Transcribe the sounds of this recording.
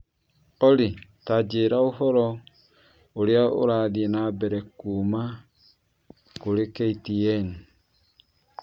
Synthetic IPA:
ɔɾitad͡ʒeɾaohɔɾɔ | oɾeao̰ɾaðiɛnabɛɾɛkuːma | koɾekɛitiɛni

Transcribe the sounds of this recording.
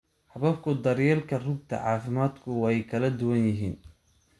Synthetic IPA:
ħɑβɐb̚kʰʊd̪ɐɾjɛːlkʰɐrʊb̚t̪ʰɐ̰ʕɑːfɪmaːd̪kʰʊwɑɛjkʰɐlɐd̪ʊwɐnjɪɦiːn

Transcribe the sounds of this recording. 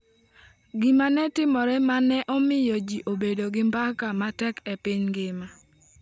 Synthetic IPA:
ɡɪmanɛtɪmɔɾɛmanɛʔɔmɪjɔd͡ʒiʔobedoɡɪmbakamatɛkɛpɪɲɡɪma

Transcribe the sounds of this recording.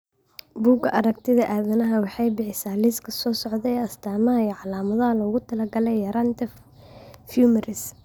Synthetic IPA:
buːɡʰɐʔɐɾɐk̚t̪ʰɪðɐʔaːðɐnɐɦɐwɑħɑjbɪħɪsaːlɪskʰɐ̥sɔːsɔʕðɛɛɐst̪ʰaːmɐɦɐjɔʕɑlaːmɐðɐɦɐlɔɣʊt̪ʰɐlɐɡɐlɛjɐɾɐnt̪ʰɛf | fjuːmɐɾɪs

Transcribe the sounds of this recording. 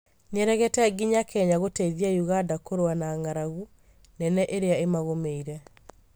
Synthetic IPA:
nɛɾɛɣɛtɛɡiɲakʰɛɲaɣoteiðiajuɣadakoɾoanaːŋaɾaɣu | nɛnɛʔeɾeaemaɣomeiɾɛ

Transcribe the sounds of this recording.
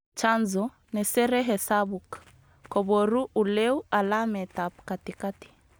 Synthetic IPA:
t͡ʃanzɔ | nɛsɛɾɛɦɛsabuk | kɔβɔɾuʔulɛualamɛtap̚katikati̥

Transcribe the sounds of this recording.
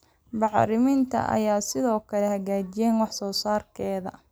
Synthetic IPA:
bɑʕɾɪmɪnt̪ʰɐ̰ʔɐ̰jaːsɪðɔːkʰɐlɛhɐɣaːt͡ʃɪjɛːnwɑħsɔːsaːrkʰɛːðɐ̰

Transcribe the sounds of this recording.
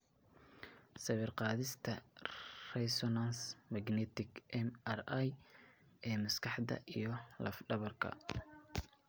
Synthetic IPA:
sɐβɪrqɑːðɪst̪ʰɐ | rɛsɔnansmɐɡnɛt̪ʰɪɡʔɛmɐraj | ʔɛːmɐskʰɑħd̪ɐ̰ʔijɞlɐ̰fɖɐβɐrkʰɐ̰

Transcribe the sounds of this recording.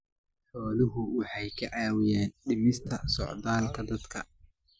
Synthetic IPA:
ħɔːlɪɦʊwɑħɑjkʰɐʕɑːwɪjɛːnɖɪmɪst̪ʰɐsɔ̰ʕd̪aːlkʰɐd̪ɐd̪kʰɐ

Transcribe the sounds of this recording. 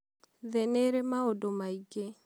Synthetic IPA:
ðeneɾemaodomaiɡe

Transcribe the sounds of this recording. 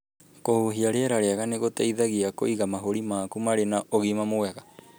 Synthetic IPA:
kohuɦiaɾeɛɾaɾeaɣaneɣotaiðaɣiako̰iɣamaɦoɾimaːkumaɾenaʔoɣimamoɛɣa

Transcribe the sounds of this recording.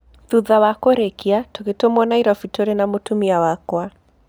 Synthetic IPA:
ðuðawakoɾekiatoɣetomɔnaiɾɔfitoɾenamotumiawakwa

